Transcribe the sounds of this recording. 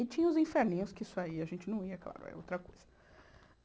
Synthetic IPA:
ɪt͡ʃĩɲɐ̃ʊzĩfeɾnĩɲʊskɪsʊaiɐʒẽnt͡ʃɪnɐ̃w̃iɐkla̰ɾʊ̰ɛ̰owt̪ɾɐkojz̥ɐ

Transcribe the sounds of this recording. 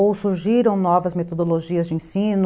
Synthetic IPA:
owsuɾʒiɾɐ̃w̃nɔvɐzmet̪od̪oloʒiɐzd͡ʒɪẽsĩnʊ

